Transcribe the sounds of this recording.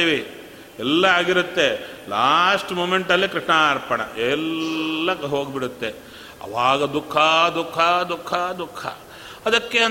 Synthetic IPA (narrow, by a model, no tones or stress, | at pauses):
iʋi | ɛlːɐaːɡiɾut̪ːe̞laːsʈmoːmeɳʈɐlːikɾiʂɳaɾpɐɳɐ̰ʔɛlːɐɦo̞ːɡbiɽut̪ːe | ɐ̰ʋaːɡɐd̪ukʰːɐd̪ukʰːɐd̪ukʰːɐd̪ukʰːɐ̰ | ɐd̪ɐkːeɐ